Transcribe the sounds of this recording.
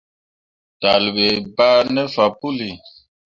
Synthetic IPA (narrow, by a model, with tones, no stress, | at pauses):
ta˨lbɛ˨ba˦nɛ˦fa˨pu˦li˨